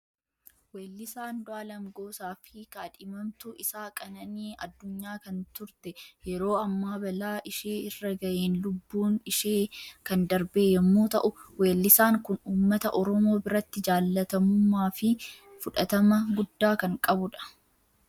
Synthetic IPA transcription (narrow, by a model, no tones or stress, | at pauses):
weːlːɪsaːnd̪ʊaːlɐmɡo̞ːsaːfɪkɐːᶑɪmɐmt̪ʊʔɪsaːkʼɐnɐniːɐd̪ːʊɲːaːkɐnt̪ʊɾt̪ɛjɛɾo̞ːɐmːaːbɐlaːʔɪʃeːɪrːɐɡɐʔeːnlʊbːuːnɪʃeːkɐnd̪ɐɾbe̞ːjɛmːoːt̪ɐʔʊwe̞ːlːɪsaːŋkʊnuːmːɐt̪ɐʔɔɾɔmo̞ːbɪɾɐt̪ːɪd͡ʒaːlːɐt̪ɐmʊmːaːfɪfʊᶑɐt̪ɐmɐɡʊd̪ːaːkɐŋkʼɐbʊᶑɐ̥